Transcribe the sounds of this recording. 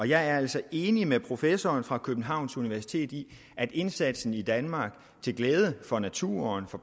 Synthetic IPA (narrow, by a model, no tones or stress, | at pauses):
ɒ̽jɑ̈ɪæɐæl̰sɒ̽e̝ːnimepʰʁo̝fesɒːnfʁɑ̈kʰøb̥n̩ɦɑ̈ʊ̰nsuniʋæɐsi̥t͡sʰe̝̰ːd̥i | ʔæd̥e̝nsæd̥sn̩id̥ænmɑ̈ːɡ̥ | t͡sʰe̝lɡ̥leːð̞ˠəfɒ̽næt͡sʰṵːɐnfɒ̽